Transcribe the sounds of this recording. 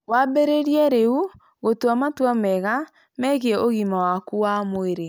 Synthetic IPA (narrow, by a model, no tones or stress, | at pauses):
wabeɾeɾiɛɾeu | ɣotwamatwamɛɣa | mɛɣoɣimawakuwamoeɾe